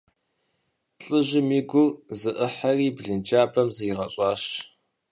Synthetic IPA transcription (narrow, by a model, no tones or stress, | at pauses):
ɬʼɨʑɪmiːɡʷʊrzɨʔəħɐriːbɮɨnt͡ʃaːbʰɐmzɨjɪʁɐɕʼɑːʃt͡ʃʼ